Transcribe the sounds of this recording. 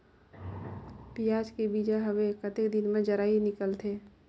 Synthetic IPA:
pijaːd͡ʒkebiːd͡ʒaɦəwekət̪ekd̪ɪnmẽd͡ʒəɾaːinɪkəlt̪ʰeː

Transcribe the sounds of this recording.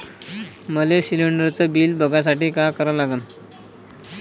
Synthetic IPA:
məlesiliɳɖəɾt͡səbiːlbʱəɡʱas̬aʈiːkakəɾəlaɡən

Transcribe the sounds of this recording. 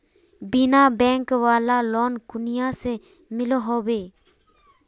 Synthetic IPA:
bɪnãːbɛ̃ːŋkʋaːlaːloːnkʊnɪjãːseː | mɪloɦoːweː

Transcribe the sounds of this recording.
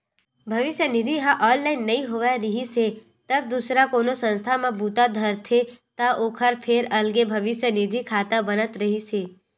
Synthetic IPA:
bʱəʋɪʃjənɪd̪ʱiɦãʔɔːnlainːəĩɦoʋaɾəɦise | t̪əb̚d̪usɾakonosə̃nst̪ʰamãbut̪ad̪ʱəɾt̪ʰet̪aʔoːkʰəɾpʰeɾəlɡebʱəʋɪʃjənɪd̪ʱikʰaːt̪ãbənət̪ɾəɦisʰe

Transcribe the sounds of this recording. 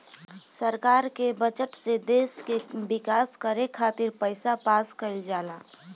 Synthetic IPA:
səɾkaːɾkebət͡ʃəʈsed̪eːskebɪkaːskəɾekʰaːt̪ɪɾpəɪsapaːskəld͡ʒaːlaː

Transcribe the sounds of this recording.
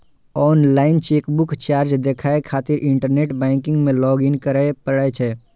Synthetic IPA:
ɔːnlaːɪnt͡ʃeːkbʊkʰt͡ʃaːɾd͡ʒd̪eːkʰaːekʰaːt̪ɪɾʔɪ̃ɳʈəɾneːʈbɛ̃ːŋkɪ̃ŋɡmẽlɔːɡɪnkəɾepəɽat͡ʃʰɛ

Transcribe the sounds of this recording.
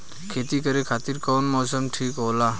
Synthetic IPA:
kʰeːt̪ikəɾekʰaːt̪ɪɾkoːnmɔːsəmʈʰiːkɦoːlaː

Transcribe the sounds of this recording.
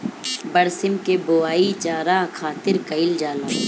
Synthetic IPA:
bɐɽsɪmkeboaːit͡ʃaːɾakʰaːt̪ɪɾkɐɪld͡ʒaːlaː

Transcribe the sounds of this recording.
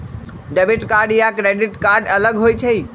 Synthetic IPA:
ɖəbiʈkaɾɖijakɾeɖɪʈkaɾɖələɡɦoit͡ʃʰəi

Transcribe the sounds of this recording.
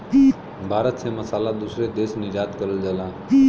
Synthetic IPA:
i | bʱaːɾət̪seməsalad̪usɾed̪esnid͡ʒat̪kəɾəld͡ʒala | i

